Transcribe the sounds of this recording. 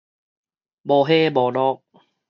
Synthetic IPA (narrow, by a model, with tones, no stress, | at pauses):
bɔː˧˦ɦeː˧˥˨bɔː˨˦nɔː˧˩k̚